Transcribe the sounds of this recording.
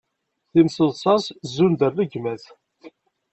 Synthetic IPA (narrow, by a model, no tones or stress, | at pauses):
θimsəðˤsˤɑszːund̪ərːəɡmæθ